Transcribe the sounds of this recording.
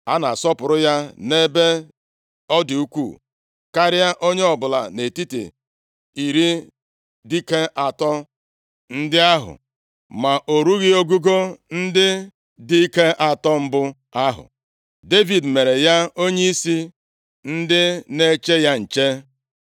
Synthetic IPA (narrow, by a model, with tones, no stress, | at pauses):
a˦na˨sɔ˦pʊ˨ɾʊ˦ja˦ne˦be˦ | ɔ˦dɪ˨u˦kʷṵ˦˨ | ka˦ɾɪ˦a˦ʔo˦ɲe˦ɔ˨bʊ˨la̰˨ne˨ti˦tḛ˨ | i˨ɾi˦ | di˦ke˦ʔa˨tɔ˦ | n̩˦dɪ˦a˦ɦʊ̰˨ | ma˨ʔo˨ɾu˦ɣɪ˦o˦ɡu˦ɡo˦n̩˦dɪ˦ | di˦i˦ke˦ʔa˨tɔ˦m̩˦bʊ˦ | a˦ɦʊ̰˨ | de˦vi˨dme˨ɾe˨ja˦o˦ɲe˦i˦si˦ | n̩˦dɪ˦ne˦t͡ʃe˦ja˦n̩˨t͡ʃe˦